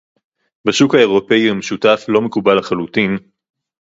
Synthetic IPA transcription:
baʃukae̞ʁo̞peihameʃutaflo̞mekubalaχalutin

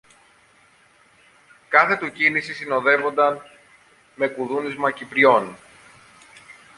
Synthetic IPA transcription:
kɐθe̞t̪ucinisisino̞ðe̞vo̞nd̪ɐn | me̞kuðunizmɐcipɾio̞n

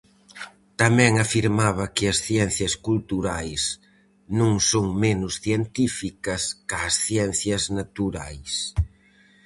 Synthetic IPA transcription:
t̪ɐmɛ̃ŋɐfiɾmaβɐkɪɐsθjɛn̟θjɐskult̪uɾajs | nõŋsoŋmenʊsθjent̪ifikɐskaːsθjɛn̟θjɐznat̪uɾajs

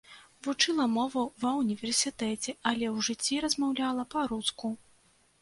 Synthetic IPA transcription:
vut͡ʂɨlˠɐmɔvɐvɐunʲivʲɛrsʲit̪ɛt͡sʲɛɐlʲɛwʐɨt͡sʲːiɾɐzmawlʲalˠɐpɐɾut̪sku

